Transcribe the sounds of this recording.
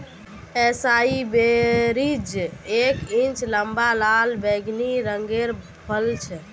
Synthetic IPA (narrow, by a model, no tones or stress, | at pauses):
ɛsaibeɾid͡ʒekint͡ʃləmbalalbɛɡniɾəŋɡeɾ | bʰʱəlt͡ʃʰɛ